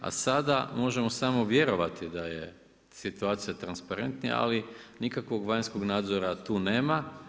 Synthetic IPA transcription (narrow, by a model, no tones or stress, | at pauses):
a̰sad̪amo̞ʒemo̞saːmo̞ʋje̞ɾo̞ʋat̪id̪aje̞ | sit̪uaːt̪sijat̪ɾanspaɾe̞nt̪nija̰ʔa̰linikakʋo̞ɡʋaɲsko̞ɡnaːd̪zoɾat̪uːne̞ːma